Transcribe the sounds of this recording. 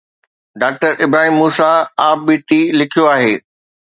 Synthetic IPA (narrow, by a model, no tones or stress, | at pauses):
ɖaːk̚ʈəɾʔɪbɾaːɦimːuːsaaːp̚biːʈ̪ilɪkʰijoaːɦeː